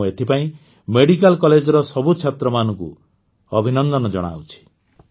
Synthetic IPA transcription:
et̪ʰipaĩ | meɽikalkɔled͡ʒɔɾɔsɔbut͡ʃʰet̪ɾɔmanɔŋkṵ | ɔbʱinɔnd̪ɔnɔd͡ʒɔɽ̃a̰wt͡ʃʰi̥

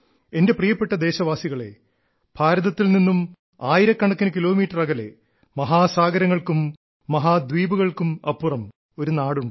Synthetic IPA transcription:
e̞nde̞prijɐpːe̞ʈːɐd̪e̞ːɕɐʋaːsiɣɐɭe̞̰ | b̥ʱaːɾɐðɐt̪ːilninːum | aːjiɾɐkːɐɳɐkːinɨkilo̞ːmiːʈːɐrɐɣɐle̞̰ | mɐɦaːsaːɡɐɾɐŋːɐɭkumː | ɐɦaːd̪wiːbuɣɐɭkumɐpːurɐm | o̞ɾunaːɽuɳɖɨ

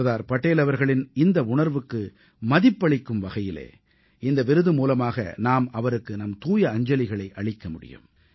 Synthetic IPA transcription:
ðaːɾpɐʈːeːlɐʋɐɾɣɐɭɪnɪnd̪ɐʊɳɐɾʋɯkːɯ | mɐðɪpːɐɭɪkːɯmʋɐɣɐjɪlḛː | ɪnd̪ɐʋɪɾɯðɯmuːlɐmaːɣɐ̰naːmɐʋɐɾɯkːɯnɐmt̪uːjɐːɲd͡ʒɐlɪɣɐɭɐɪʔɐɭɪkːɐmʊɽɪ̰jɯ̰m

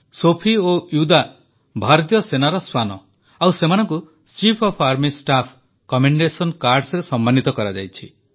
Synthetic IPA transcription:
sopʰiojud̪a | bʱaɾɔt̪jɔsenaɾɔswanɔ | awsemanɔŋku | t͡ʃipʰɔpʰaɾmisʈapʰ | kɔmeɳɖesɔnkaɾɖsɔɾesɔmːanit̪ɔkɔɾad͡ʒa̰jt͡ʃʰi

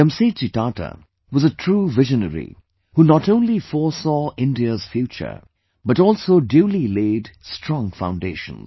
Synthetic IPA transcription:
ə̃mset͡ʃitaʈə̰ | wʌzətʰɹuːvɪʒənəɹḭ | hunətõʊ̃nlifɔɹsɔʔɪ̃ndiəz̥fjut͡ʃə̰˞ | bʌɾɔːlˠsoʊdjulileɪdstʰɹ̥ɔ̃ŋfã̰ʊ̃ndeɪʃə̰̃nz

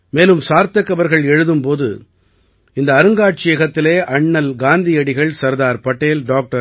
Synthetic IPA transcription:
meːlɯmsaːɾt̪ɐkːɐʋɐɾɣɐɭɛɻɯðɯmpoːðɯ̰ | ɪnd̪ɐːɾɯŋɡaːʈ̚t͡ʃɪjɐɣɐt̪ːɪleːʔɐɳːɐlɡaːnd̪ɪjɐɽɪɣɐɭsɐɾðaːɾpɐʈːeːlɖaːk̚ʈɐ

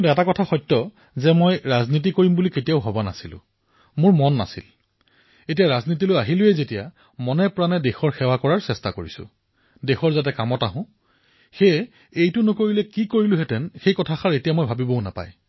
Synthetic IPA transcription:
tɛtakɔtʰaxɔjtːɔ | zɛmojɹaznit̬ikoɹimbuliketijaʊɦɔbana̰silʊ̰̃ | mʊɹmɔnːa̰sḭl | etijaɹaznitilojaɦilʊjɛzetija | mɔnɛpɹanɛdexɔɹxɛwakɔɹaɹsɛstakoɹisʊ̰̃ | dexɔɹzat̬ɛkamɔtaɦʊ̃ | xe | ejtʊnʊkoɹilɛkikoɹilʊɦɛtɛnxejkɔtʰaxaɹetijamɔjbʱabibɔʊna̰pa̰j

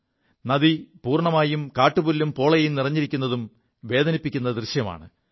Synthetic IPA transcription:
nɐðipuːrɳɐmaːjumkaːʈːubulːumpo̞ːɭɐjjumnirɐɲːiɾikʲːun̪ːɐðum | ʋe̞ːd̪ɐnipːikʲːunːɐd̪rɨɕjɐma̰ːɳɨ

